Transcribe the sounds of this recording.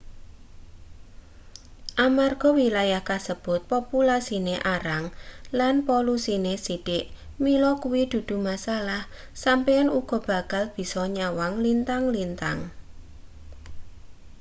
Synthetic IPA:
ʔamarɡ̥ɔ̤wilajahkasəb̥ʊ̤t̪̚populasineʔaɾaŋlanpolusinesiɖ̥ɪʔ | milɔkuwid̪̥ṳd̪̥ṳmasalah | sampenuɡ̥ɔ̤b̥a̤kalb̥i̤sɔɲawaŋlint̪aŋlint̪a̰ŋ

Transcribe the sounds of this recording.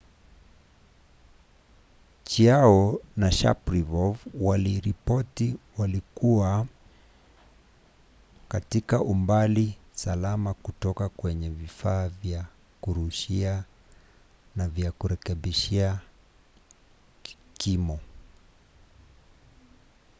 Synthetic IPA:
t͡ʃiaɔnaʃa̰pɾivɔvwaliɾipɔtiwalikuwa | katikaʔumbalisalamakutɔkakwɛɲɛvifaːvja | kuɾuʃia | navjakuɾɛkɛɓiʃia | kimɔ

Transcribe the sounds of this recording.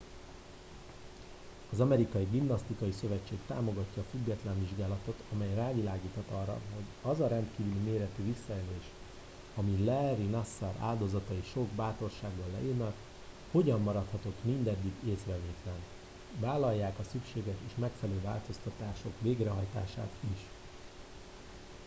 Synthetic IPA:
ɒzɒmɛɾikɒjiɡimnɒst̪ikɒjisø̞vɛt͡ʃːeːkt̪a̰ːmo̞ɡɒcːɒːfyɡːɛt̪lɛɱviʒɡaːlɒt̪o̞t̪ɒmɛjraːvilaːɡiːt̪hɒt̪ɒrːɒ̰ɦo̞ɟɒzɒɾɛnt̪kiːvylymeːɾɛt̪yːvisːɒeːleːʃ | ɒmilɛrinasːɒɾʔa̰ːld̪o̞zɒt̪ɒiʃo̞ɡbaːt̪o̞rʃaːɡbolːɛ̰jiːrnɒk | ho̞ɟɒmːɒɾɒt̪hɒt̪o̞t̪mind̪ɛd̪ːikeːsvɛveːt̪lɛn | vaːlːɒjːaːkɒsykʃeːɡɛk̪eːʃmɛkfɛløːva̰ːlt̪o̞st̪ɒt̪aːʃo̞kveːɡrɛɦɒjt̪a̰ːʃa̰ːt̪iʃ

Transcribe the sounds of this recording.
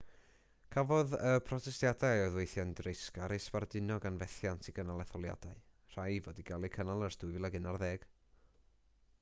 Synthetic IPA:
kʰavɔðəpʰrɔtʰɛstjadaɔðwejθjandrɪskaɾejsvardɪnɔɡanvɛθjantʰiɡənalˠɛθɔlˠja̰daɨ | r̥ajvodiɡalˠikʰənalˠərsd̥uvɪlˠaɡɪnarðeːɡ̥

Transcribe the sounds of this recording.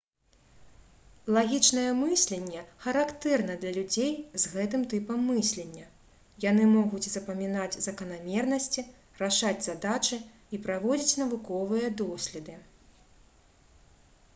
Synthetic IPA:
lˠaɣʲit͡ʂnɐjɐmɨsʲlʲenʲːɛxɐɾakt̪ɛrn̪ɐd̪lʲɐlʲud͡zʲejzɣɛt̪ɨmt̪ɨpɐmːɨsʲlʲɛnʲːɐ | janɨmɔɣut͡sʲzɐpɐmʲinad͡zʲzɐkɐn̪amʲɛrnɐsʲt͡sʲi | raʂad͡zʲzad̪at͡ʂɨ | ipɾavɔd͡zʲit͡sʲnɐvukɔvɨjɐd̪ɔsʲlʲɛd̪ɨ

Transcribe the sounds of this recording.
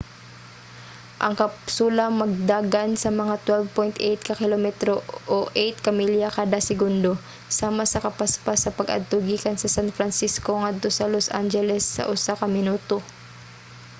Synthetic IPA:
ʔɐŋkɐpsuːlɐŋmɐɡ̚d̪aːɡɐnsɐmɐŋat̪wɛlvpojnt̪ʔɛjt̪̚kɐkɪlomɛt̪ɾoʔoʔejt̪̚kɐmiljɐkaːd̪ɐsɛɡʊnd̪o̞ | saːmɐsɐkɐpaspasɐpɐɡʔɐ̰d̪̚t̪oɡiːkɐnsɐsanfɾɐnsisko̞ŋad̪̚t̪o̞sɐlosʔand͡ʒɛlɛsːɐ̰ʔʊsakɐmɪnuːt̪o̞

